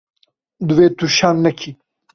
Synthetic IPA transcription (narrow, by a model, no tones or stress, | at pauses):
d̪uweːt̪uʃanːɐkʰi